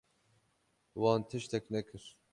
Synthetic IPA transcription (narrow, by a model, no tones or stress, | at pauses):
wɑːnt̪ʰɨʃt̪ɛknɛkʰɨɾ̥